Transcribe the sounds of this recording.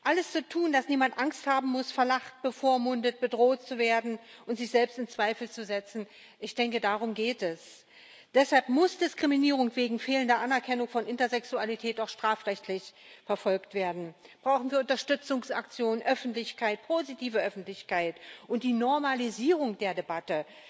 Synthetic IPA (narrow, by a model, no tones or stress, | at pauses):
ʔaləst͡sutʰuːndasniːmantʔaŋsthaːbm̩mʊsfɛɐlaχt̚b̥əfoːɐmʊndət̚b̥ədʁoːtt͡suveːɐdn̩ʔʊntz̥ɪçz̥ɛlpstɪnt͡sv̥aɪfl̩t͡suzɛt͡sn̩ | ʔɪçd̥ɛŋkədaːʁ̞ʊmɡeːtɛs | d̥ɛshalpmʊsd̥ɪskʁ̥iminiːʁʊŋv̥eːɡŋ̩feːləndɐʔanɛɐkʰɛnʊŋfɔnʔɪntɐzɛksualitʰɛːtaʊxʃtʁ̥aːfʁɛçtʰlɪç | fɛɐfɔlktv̥eːɐdn̩ | b̥ʁaʊxn̩viːɐʔʊntɐʃtʏt͡sʊŋsa̰kt͡sjoːnənʔœfn̩tlɪçkʰaɪt̚pʰoːzitʰiːvəʔœfn̩tlɪçkaɪtʔʊnt̚d̥iːnɔɐmaliziːʁ̞ʊŋd̥eːɐdebatə